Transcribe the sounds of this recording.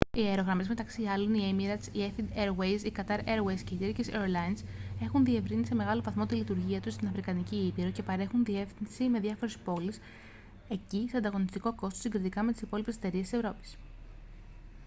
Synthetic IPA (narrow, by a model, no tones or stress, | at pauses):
ieɾo̞ɣɾɐme̞zme̞t̪ɐksiɐlo̞niemiɾɐd̪siefid̪eɾwejsikɐt̪ɐɾeɾwejsce̞it̪eɾciseɾlɐinse̞xunðie̞vɾinise̞me̞ɣɐlo̞vɐθmo̞t̪ilit̪uɾʝiɐt̪usst̪inɐfɾikɐniciipiɾo̞ce̞pɐɾe̞xunðie̞fθinsime̞ðʝɐfo̞ɾespo̞lis | e̞ciseɐnd̪ɐɣo̞nist̪iko̞ko̞st̪osiɡɾit̪ikɐme̞t̪isipo̞lipese̥t̪e̞ɾiest̪ise̞vɾo̞pi̥s